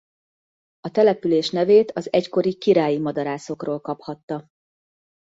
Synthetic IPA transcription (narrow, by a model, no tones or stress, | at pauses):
ɒt̪ɛlɛpyleːʃnɛveːt̪ʰɒzɛcko̞ɾikiɾaːjimɒd̪ɒɾaːso̞kroːlkɒphɒt̪ːɒ